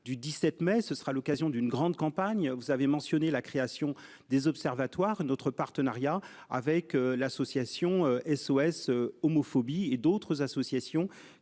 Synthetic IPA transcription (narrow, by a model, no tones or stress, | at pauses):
d̪yd̪isɛt̪mɛsəsə̥ʁalɔkazjɔ̃d̪ynɡʁɑ̃d̪kɑ̃paɲvuzavemɑ̃sjɔnelakχeasjɔ̃ | d̪ezɔpsɛʁvat̪waʁnɔt̪χəpaʁt̪ənaʁja | a̰vɛkølasɔsjasjɔ̃øɛsoɛsøɔmɔfɔbied̪ot̪χəzasɔsjasjɔ̃